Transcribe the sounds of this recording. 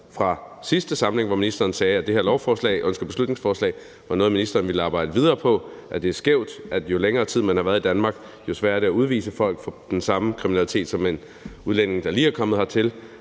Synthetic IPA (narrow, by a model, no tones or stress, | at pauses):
fʁɑ̈sisd̥əsɑ̈məle̝ŋʋɒminisd̥ɐːn̩sɛːæd̥e̝heɐlɒʊfɒːslɛ̰ɪʔønsɡ̥ɐb̥eslud̥ne̝ŋsfɒːslɛ̰ɪ | ʋɑ̈nɔːð̞̩minisd̥ɐːnʋiləɑːb̥ɑ̈ɪ̰d̥əʋið̞ˠɐːpʰɒ̽ʔæd̥e̝æɐsɡ̥eʊ̰d̥ʔæ̥jo̝leŋɐːt͡sʰið̞̰ˠmænhɑʋæːɐðˠid̥ænmɑ̈ːɡ̥ | jo̝sʋæɐ̰d̥æuð̞ˠʋḭːsəfɒ̽l̰ɡ̥fɒd̥ensɑ̈məkʰʁiminælit͡sʰe̝̰ːd̥sɒ̽me̝n | uðˠlen̰e̝ŋd̥ɑ̈liːæɐkʰɒ̽mð̩ˠhɑ̈t͡sʰe̝l